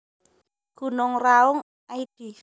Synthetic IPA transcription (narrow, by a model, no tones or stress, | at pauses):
ɡ̥ṳnɔŋraʊŋ | aid̥i